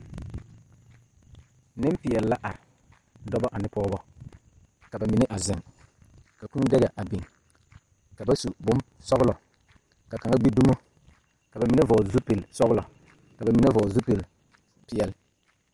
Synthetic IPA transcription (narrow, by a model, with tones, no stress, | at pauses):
nɪ˦mpɪ˨ɛ˨lla˦ʔa˨ɾɪ˨ | dɔ˦ba˦ʔa˨nɪ˦pɔː˦bɔ˦ | ka˨ba˨mi˨ne˦ʔa˨zɪ˨ŋ | ka˨kũ˦n˦dɛ˦ɣa˨ʔa˨bi˨ŋ | ka˨ba˦su˨bʊ˦m | sɔ˦ɣlɔ˨ | ka˨ka˨ŋa˦ɡ͡bi˦du˦mo˦ | ka˨ba˨mi˨ne˦vɔ˨zu˦pe˨lsɔ˦ɣlɔ˨ | ka˨ba˨mi˨ne˦vɔ˨zu˦pe˨l | pɪ˨˦ɛ˨l